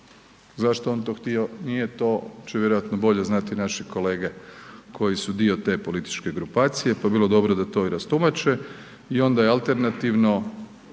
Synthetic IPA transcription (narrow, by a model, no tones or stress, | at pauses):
zaʃt̪oont̪o̞xt̪io̞nije̞t̪o̞t͡ʃeʋjeɾo̞jat̪nobo̞ʎe̞znat̪inaʃiko̞le̞ːɡekʰo̞jisud̪io̞t̪e̞ːpo̞lit̪i̥t͡ʃke̞ɡɾupaːt̪sije̞pajbilˠo̞d̪o̞bɾod̪at̪o̞iɾast̪umat͡ʃe | io̞nd̪ajealˠt̪e̞ɾnat̪iʋno̞